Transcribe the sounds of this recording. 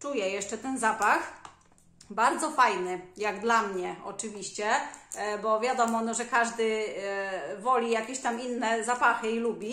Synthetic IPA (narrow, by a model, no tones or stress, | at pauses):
t͡ʂujɛjɛʂt͡ʂɛt̪ɛnzapax | baɾd̪zɔfajnɘjaɡd̪lamɲɛɔ̰t͡ʂɘvʲiɕt͡ɕɛbɔvʲjad̪ɔmɔnɔʐɛkaʐd̪ɘ | vɔlʲijakʲeɕt̪aminːɛzapaxɘilubʲi